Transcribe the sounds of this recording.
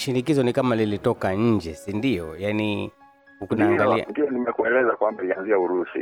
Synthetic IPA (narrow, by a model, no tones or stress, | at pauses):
ʃinikizɔnikamalilitɔkaɲ̩d͡ʒɛsindijɔjani | kunniɡ̰ndiɔnimɛkuɛlɛzakwambaianziauɾusḭ